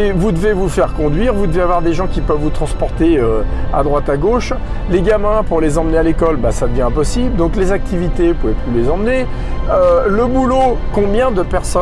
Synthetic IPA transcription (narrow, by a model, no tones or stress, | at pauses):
evud̪əvevufɛʁkɔ̃d̪ɥiʁvud̪əveavwaʁd̪eʒɑ̃kʲipœvːut̪χɑ̃spɔʁt̪eøa̰d̪ʁwat̪aɡoʃ | leɡʲamɛ̃puʁlezɑ̃mənealekɔlbasad̪əvjɛ̃ɛ̃pɔsibləd̪ɔ̃klezak̚t̪ivit̪epuvɛplylezɑ̃mne | øləbulokɔ̃bjɛ̃d̪əpɛʁsɔ